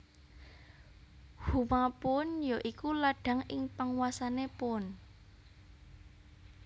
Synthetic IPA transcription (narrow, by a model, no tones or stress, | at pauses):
humapʊnjoʔikulaɖ̥a̤ŋɪŋpaŋwasanepʊn